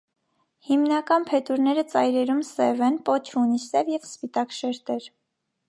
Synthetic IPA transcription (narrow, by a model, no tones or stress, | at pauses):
himnɑkɑnpʰɛt̪uɾnɛɾət͡sɑjɾɛɾumsɛvɛnpɔt͡ʃʰunisɛvjɛvspit̪ɑkʃɛɾt̪ɛɾ